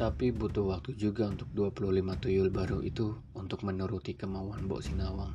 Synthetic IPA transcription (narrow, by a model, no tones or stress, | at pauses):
t̪apibut̪ʊhwak̚t̪ud͡ʒuɡaunt̪ʊk̚duapulʊhlimat̪ujʊlbaɾuʔḭt̪u | unt̪ʊk̚mənuɾut̪ikəmauanbɔ̰ʔsinawaŋ